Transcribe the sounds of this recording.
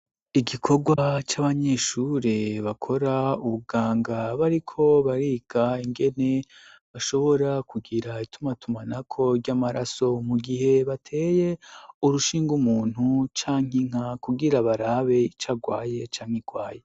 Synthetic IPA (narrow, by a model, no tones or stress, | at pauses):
iɡikʰo̞ɡwat͡ʃaβaɲe̞ːʃuɾeβakʰo̞ɾauβuɡaːŋɡaβaɾikʰo̞βaɾiːɡ̥aiŋɡe̞ne̞ | βaʃo̞βo̞ɾakʰuɡiɾaitʰumatʰumanakʰo̞ɾɟamaɾaso̞muɡiɦe̞βatʰe̞ːjeuɾuʃiːŋɡumuːn̥hut͡ʃaːŋ̥iŋ̥akuɡiɾaβaɾaβe̞it͡ʃaɡwaːje̞t͡ʃaːŋ̥heɡwaːje̞